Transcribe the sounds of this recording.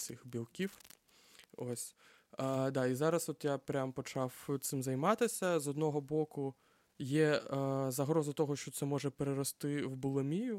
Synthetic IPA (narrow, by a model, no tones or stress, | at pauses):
sʲɪxbʲilˠkʲiw | osʲ | d̪ɑizɑɾɐsɔt̪japɾʲampɔt͡ʃɑwt̪sɪmzɐjmɑt̪ɪsʲɐzɔd̪nɔɦɔbɔkʊ | jɛzɐɦɾɔzɐt̪ɔɦɔʃt͡ʃɔt̪sɛmɔʒɛpeɾeɾɔst̪ɪwbʊlˠɪmʲijʊ